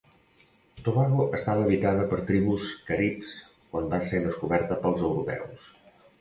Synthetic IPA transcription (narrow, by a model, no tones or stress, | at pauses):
t̪oβaɣoʔəst̪aβəːβit̪aðəpəɾt̪ɾiβuskəɾips | kwambased̪əskuβɛɾt̪əpəlˠzəwɾupɛ̰ws